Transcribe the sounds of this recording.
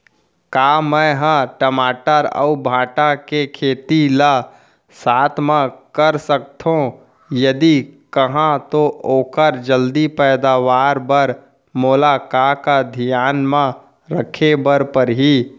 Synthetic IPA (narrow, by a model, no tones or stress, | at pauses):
kamə̃ɦə̃ʈəmaːʈəɾə̰ubʱãːʈakekʰeːt̪ila | saːt̪ʰmãkəɾsək̚t̪ʰõ | jəd̪ikəɦãt̪oʔoːkəɾd͡ʒəld̪ipɛːɪd̪aːʋaːɾbəɾ | moːlakakad̪ʱijaːnmã | ɾəkʰebəɾpəɾɦi